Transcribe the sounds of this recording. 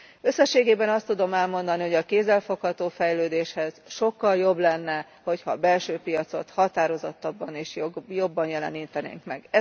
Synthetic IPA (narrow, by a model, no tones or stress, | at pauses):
ø̞sːɛʃːeːɡeːbɛnɒst̪ːud̪o̞mɛlmo̞nd̪ɒniɦo̞ɟɒkeːzɛlfo̞khɒt̪oːfɛjløːd̪eːʃhɛz̥ʃo̞kːɒljo̞blɛnːɛ | ho̞chɒbɛlʃøːpijɒt̪so̞t̪hɒt̪aːɾo̞zot̪ːɒbːɒneːʃjo̞bːɒnjɛlɛ̰niːt̪ɛnḛːŋkmɛ̰ɡɛ